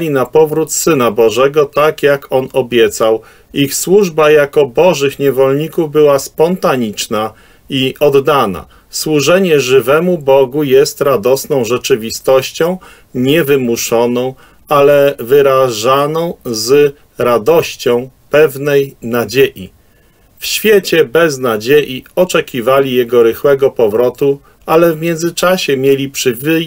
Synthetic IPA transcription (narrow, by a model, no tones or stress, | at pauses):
lʲinapɔvɾut̪sɘnabɔʐɛɡɔt̪akjakʰɔnɔbʲjɛt̪saw | ixswuʐbajakɔbɔʐɘxɲɛvɔlɲikuvbɘwaspɔnt̪aɲit͡ʂna | iʔɔd̪ːana̰ | swuʐɛɲɛʐɘvɛmubɔɡujɛst̪ɾad̪ɔsnɔ̃w̃ʐɛt͡ʂɘvʲist̪ɔɕt͡ɕɔ̃w̃ | ɲɛvɘmuʂɔnɔ̃w̃ | alɛvɘɾaʐanɔ̃w̃z | ɾad̪ɔɕt͡ɕɔ̃w̃pɛvnɛjnad͡ʑeʔḭ | fɕfʲjet͡ɕɛbɛznad͡ʑejiɔt͡ʂɛkʲivalʲijɛɡɔɾɘxwɛɡɔpɔvɾɔt̪u | alɛvmʲjɛnd̪zɘt͡ʂaɕɛmʲjelʲipʂɘ